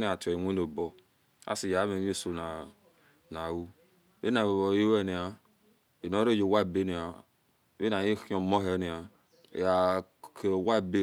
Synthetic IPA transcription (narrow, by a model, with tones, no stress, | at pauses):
ni˦˨a˨to˨ŋʷe˦no˨bo˦ | a̰˦si˨ja˨˦me˨˦e˦so˨na˨ | na˨wu˦ | e˦na˨o˨bo˨ji˦we˦ni˨a˨ | e˨no˦ɾe˦d͡ʒo˨wa˦˨be˦ni˨a˨˦ | e˦na˨ji˦o˨mo˦ɦe˦ni˨a̰˨ | a˨ke˨wa˦˨be˦